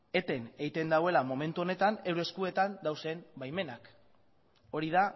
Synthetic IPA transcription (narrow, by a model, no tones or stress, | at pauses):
e̞t̪e̞ne̞ɣjt̪e̞nd̪awe̞lamo̞me̞nt̪uo̞ne̞t̪ane̞wɾe̞skue̞t̪and̪awse̞mbajme̞nak | o̞ɾiða